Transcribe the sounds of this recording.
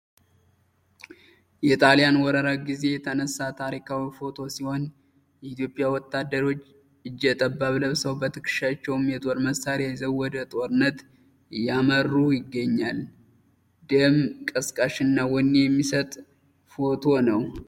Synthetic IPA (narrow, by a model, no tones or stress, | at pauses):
jɛt̪ʼalijanwɔɾəɾaɡize̞jɛt̪ʰənəsːat̪ʰaɾikʰawifo̞t̪ʰo̞siho̞n | jɛit̪ʰjo̞pʼːjawɔt̪ʰːad̪ːəɾo̞t͡ʃː | ɨd͡ʒːɛt̪ʼəbːaβləβsəwbət̪ʰɨkɨ̥ʃat͡ʃːɛwmjɛt̪ʼo̞ɾməsaɾazəβwːɔd̪ət̪ʼo̞ɾɨnːət̪ | jamərːujɪɡːəɲːal | d̪əmkʼəskʼəʃɨnːawɔnːejɛmːisət̪ʼ | fo̞t̪ʰo̞nəw